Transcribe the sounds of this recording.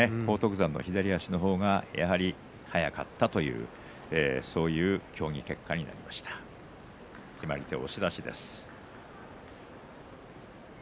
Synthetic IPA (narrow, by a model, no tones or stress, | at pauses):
ekʰo̞ːt̪o̞kɯ̟zãnːo̰çid̪aɾʲiaɕino̞ɦo̞ːɡaja̰ɦaɾʲi | hajaka̰t̪ːat̪o̞jɯ̟̰ː | eso̞ːjɯ̟ːkʲo̞ːɲ̟ike̞kːaɲ̟ina̰ɾʲimaɕi̥t̪ḁ | kʲʰimaɾʲit̪e̞o̞̰ɕid̪aɕid̪e̞̰sɨ̥